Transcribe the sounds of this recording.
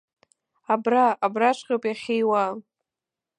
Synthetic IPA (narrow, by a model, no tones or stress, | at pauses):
abraːbraʈ͡ʂʷʰʼqʲʼopʼjaχʲejwa